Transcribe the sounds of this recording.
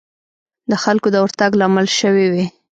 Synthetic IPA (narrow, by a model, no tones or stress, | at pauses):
d̪əxalkod̪əwəɾt̪aɡlamalʃəwiwi